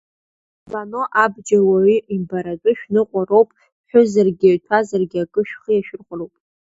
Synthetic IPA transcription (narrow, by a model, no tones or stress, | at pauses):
banoʔabd͡ʒawaʕiimbaɾat͡ʃʷʼʊʃᶣnɨqʷʼarowpʼ | ħʷᶣʊzarɡʲaɥtʰazarɡʲakʼɨʃᶣχəjaʃᶣɪrχʷrowpʼ